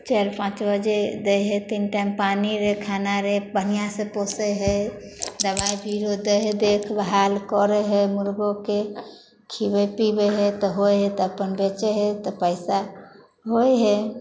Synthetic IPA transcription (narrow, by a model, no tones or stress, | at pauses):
t͡ʃeɾpãt͡ʃbəd͡ʒed̪əjɦet̪inʈajmpaniɾekʰanaɾebənijasẽposəɦə | d̪əbajbiɾod̪əɦd̪ekʰbɦalkɔɾeɦemuɾɡoke | kʰibəpibeɦet̪ɔɦoɦet̪ɔəpənbet͡ʃeɦet̪ɔpəɪsa | ɦoeɦe